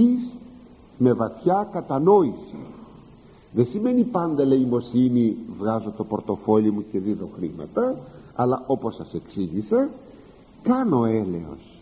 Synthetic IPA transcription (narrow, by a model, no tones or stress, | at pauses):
is | me̞vɐθçɐkɐt̪ɐno̞isḭ | ðesime̞nipɐnd̪ɐleimo̞sinivɣɐzo̞t̪o̞poɾt̪o̞fo̞limuce̞ðiðo̞xɾimɐ̰t̪ɐɐ̰lɐʔo̞po̞sɐse̞ksiʝise | kɐno̞e̞lḛo̞̰s